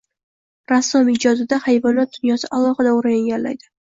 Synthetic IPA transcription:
ɾasːɒmɪd͡ʒɒd̪ɪd̪ahajvɒnat̪̚d̪ʊnjɒsɪʔalˠɒχɨd̪aʊɾajaŋɡʲanlajd̪ɪ

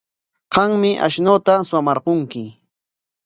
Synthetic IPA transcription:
ɢɑŋmɪʔa̰ʃnoːt̪aswamɑɾqoŋkɪ

